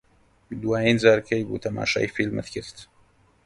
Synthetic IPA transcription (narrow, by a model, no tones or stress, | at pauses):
d̪waːjinzaːɾkʰɐjbṵt̪ʰɐma̰ːʃa̰ːjfilmɨ̰t̪kʰɪɾt̪